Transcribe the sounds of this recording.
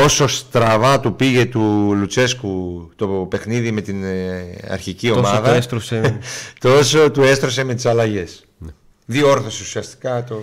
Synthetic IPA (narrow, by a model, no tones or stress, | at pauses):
oso̞st̪ɾɐvɐt̪upiʝe̞t̪ulut͡se̞skut̪o̞pe̞xniðime̞t̪inɐ̰ɾçicio̞mɐðɐst̪ɾoset̪o̞so̞t̪ue̞st̪ɾo̞s̬e̞me̞t̪i̥sɐlɐʝe̞s | ðioo̞ɾθo̞seu̥siɐst̪i̥kɐt̪o